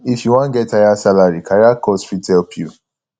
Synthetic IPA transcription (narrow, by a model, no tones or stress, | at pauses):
ifjuwãnɡɛttːajasalaɹikʰajakʰɔsfitɛlpʰju